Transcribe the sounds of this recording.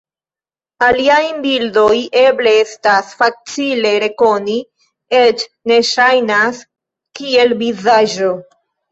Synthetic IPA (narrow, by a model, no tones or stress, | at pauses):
aliajbildo̞je̞ble̞estasfat͡sile̞ɾe̞ko̞ni | et͡ʃ | ne̞ʃajnas | kie̞lvizad͡ʒo̞